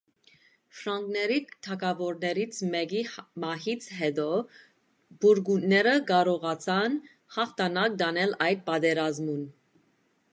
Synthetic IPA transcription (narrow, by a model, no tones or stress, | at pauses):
fɾɑŋɡnɛɾit̪ʰɑkɑvɔɾnɛɾit͡sʰmɛɡimɑɦit͡sʰɦɛd̪ɔ | b̥uɾɡunːɛɾəkɑɾɔʁɑt͡sʰɑn | hɑχt̪ʰɑnɑk̚d̪ɑnɛlɑjd̪̚pɑd̪ɛɾɑzmun